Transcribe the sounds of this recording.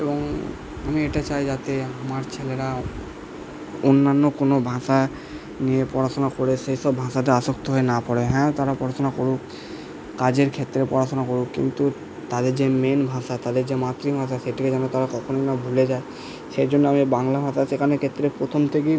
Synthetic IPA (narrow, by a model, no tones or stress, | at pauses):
eboŋ | amieʈat͡ɕajd͡ʑat̪eamaɾt͡ɕʰeleɾa | onːanːokonobʱãʃa | nijepɔɾaʃonakoɾeʃejʃɔbːʱãʃat̪̬eaʃokt̪oɦoenapɔɽeɦɛ̃t̪aɾapɔɾasonakoɾuk | kad͡ʑeɾkʰet̪ːɾepɔɾaʃonakoɾukkḭnt̪u | t̪ad̪eɾd͡ʑemenbʱãʃat̪ad̪eɾd͡ʑemat̪ːɾibʱãʃ̬aʃeʈʰiked͡ʑanot̪aɾakɔkʰonojnabʱuled͡ʑae | ʃeɾd͡ʑonːoamibaŋlabʱãʃaʃekʰanekʰet̪ːɾepɾot̪ʰomt̪ʰek̬e